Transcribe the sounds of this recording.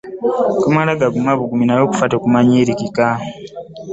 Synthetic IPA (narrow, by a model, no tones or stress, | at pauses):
kumalaɡaɡumaβuɡuminajoːku̥fatokumaɲiɾikika